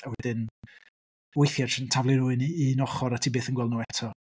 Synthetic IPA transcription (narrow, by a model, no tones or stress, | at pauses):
awɛdɪn | wejθjar̥səntʰavlˠɪnuːɨniːnɔχɔɾatʰibeːθənɡwɛlˠdnuːɛtʰɔ